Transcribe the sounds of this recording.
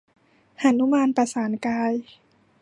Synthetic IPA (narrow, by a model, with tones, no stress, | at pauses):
ha˨˩nːu˦˥maː˧npa˧saː˩˦nkaː˧j